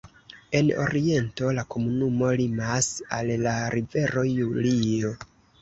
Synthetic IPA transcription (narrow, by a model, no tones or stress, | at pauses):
e̞no̞̰ɾie̞nto̞lako̞munumo̞limasallaɾive̞ɾo̞julio̞